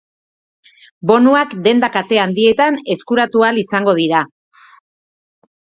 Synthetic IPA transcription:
bo̞nuakd̪e̞nd̪akat̪e̞and̪ie̞t̪ane̞skuɾat̪ualisaŋɡo̞ð̞iɾa

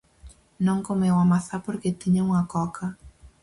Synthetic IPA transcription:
nɔŋkomewamaθaporket̪iɲouŋakɔkʰa

